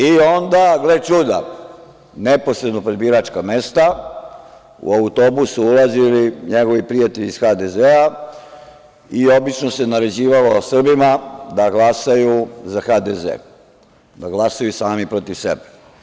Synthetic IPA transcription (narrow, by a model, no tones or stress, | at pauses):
io̞nd̪aɡlet͡ʃud̪a̰ | nepo̞sɾed̪nopɾed̪biɾat͡ʃkamest̪a | ṵaut̪o̞busuulaziliɲeɡo̞ʋipɾijat̪e̞ʎisxad̪ezea | io̞bit͡ʃnosenaɾe̞d͡ʑiːʋalo̞sr̩bimad̪aɡlasajuzaxad̪ezḛː | d̪aɡlasajusaːmipɾot̪iʋsḛbe̥